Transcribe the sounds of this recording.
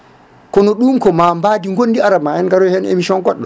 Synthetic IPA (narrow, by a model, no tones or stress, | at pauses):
kɔnɔɗumkɔmambaːdiŋɡonːdiaɾamaɛnɡaɾɔhɛnḛmisɔnɡɔɗːɔ